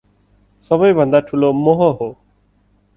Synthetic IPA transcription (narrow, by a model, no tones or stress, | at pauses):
səbəiːbʱə̃nd̪aːʈʰuloːmoɦoɦoː